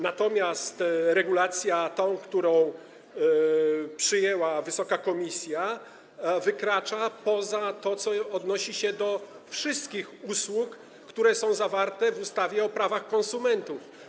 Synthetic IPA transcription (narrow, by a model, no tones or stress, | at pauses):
nat̪ɔmʲjast̪ɾɛɡulat̪sʲjat̪ɔ̃w̃kt̪uɾɔ̃w̃ | pʂɘjɛwavɘsɔkakɔmʲisʲja | vɘkɾat͡ʂapɔzat̪ɔt̪sɔɔd̪nɔɕiɕɛd̪ɔ | fʂɘst̪kʲixuswukː | t̪uɾɛsɔ̃w̃zavaɾt̪ɛvust̪avʲjɛɔpɾavaxkɔ̃ñsumɛnt̪uf